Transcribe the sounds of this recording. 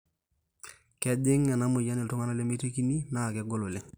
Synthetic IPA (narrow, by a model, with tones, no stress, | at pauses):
kɛ˦dɪ˦ŋːɛ˨na˦mʊ˨ja˦nɪ˨ltʊ˦ŋa˦na˦le˦me˦te˦ki˦ni˦na˦˨kɛ˨˦ɡo˦lo˨le˦